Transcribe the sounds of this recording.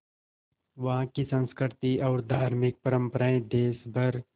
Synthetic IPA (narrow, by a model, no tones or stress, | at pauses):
ʋɐɦãkisə̃nskɾt̪iɔːɾd̪ʱaːɾmɪk̚pəɾə̃mpəɾaẽd̪eːsbʱɐɾ